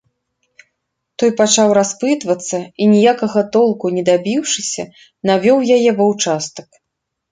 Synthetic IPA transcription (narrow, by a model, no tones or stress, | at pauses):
t̪ɔjpat͡ʂawɾaspɨt̪vɐt̪sːɐinʲijakɐɣɐt̪ɔlˠkunʲɛd̪abʲiwʂɨsʲɐ | navʲɔwjajɛvɐwt͡ʂast̪ɐk